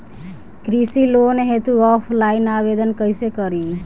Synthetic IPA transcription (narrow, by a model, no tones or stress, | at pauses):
kɾisilonɦet̪uɔpʰlainabed̪ənkəjsekəɾi